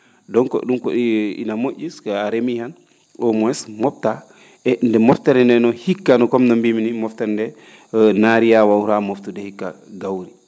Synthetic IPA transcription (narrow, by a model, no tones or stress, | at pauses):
dɔŋkɔ̰ɗumko̰ɗiḭnamoʔʲiskaaɾemihan | ɔmɔɛsmɔp̚ta | ɛndɛmɔftaɾɛndɛnɔhikːanɔkɔmnɔmbiminimɔftaɾɛndɛ | naɾijawawɾamoftudɛhikːa̰ɡawɾi